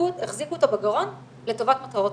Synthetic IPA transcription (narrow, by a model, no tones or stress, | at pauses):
ueχzikuot̪obaɡaʁo̞n | le̞t̪o̞vat̪mat̪aʁot